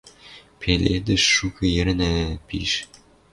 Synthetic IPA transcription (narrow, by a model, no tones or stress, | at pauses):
pʰeled̪ɘ̆ʃːukɤ̆jɘ̆ɾɘ̆næpḭʃ